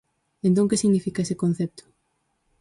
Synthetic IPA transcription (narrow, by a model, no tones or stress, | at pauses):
ẽnt̪̬õŋkesiɣnifikaesekõnθɛp̚t̪ʊ̥